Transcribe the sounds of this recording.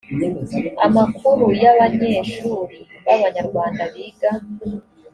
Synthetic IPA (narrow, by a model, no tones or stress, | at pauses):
a̰makʰuɾujaβaɲeːʃuːɾiβaβaɲaɾɡwaːndaβiɡa